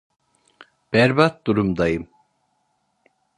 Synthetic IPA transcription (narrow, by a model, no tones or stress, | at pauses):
b̥ɛɾbat̪̚d̪uɾumd̪ɑjɯm